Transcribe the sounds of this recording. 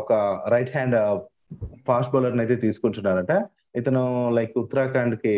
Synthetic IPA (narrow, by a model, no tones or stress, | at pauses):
ɔkɐɾɐjʈɦaːɳɖ | pʰaːsʈ̚bɐlɐɾnɐjt̪̬e̞ːt̪̬iːsu̥koɳʈunːaːɾɐɳʈa | it̪ɐnulɐjkut̪ːɐɾaːkaːɳɖki